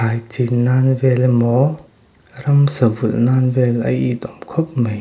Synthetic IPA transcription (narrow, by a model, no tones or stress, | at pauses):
ajtinanvɛlmɔ | ɾɐmsɐbulnanvɛlɐ̰jit̪ɔmkʰɔp̚məj